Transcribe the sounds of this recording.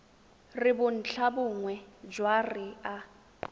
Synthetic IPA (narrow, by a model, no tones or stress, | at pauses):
rɪbʊn̩t͡ɬʰabʊŋwɛd͡ʒwarɪa